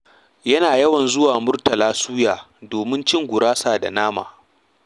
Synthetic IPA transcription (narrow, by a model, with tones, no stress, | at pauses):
jɐ˦naː˨jɐ˦wɐ˨nzʊ˦waː˨mʊ˦rtɐ˨laː˦suː˦jaː˨ | doː˨mɪ˦nt͡ʃɪ˦ŋɡʷʊ˨ɾaː˦saː˨da̰˨naː˦ma̰ː˨